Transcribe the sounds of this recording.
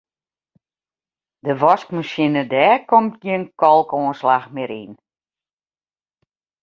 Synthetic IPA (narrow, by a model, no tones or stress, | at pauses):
dəʋɔskmaʃinədɛːkomt̚ɡiənkɔlˠkoːnslaxmɪɾḭn